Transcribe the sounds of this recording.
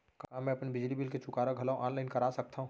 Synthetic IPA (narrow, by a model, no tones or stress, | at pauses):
kaːɦmɛ̃ɐpnebɪd͡ʒlibɪlket͡ʃʊkaːɾaɡʱɐlaʔãːnlaɪnkɐɾaːsɐk̚t̪aɦũː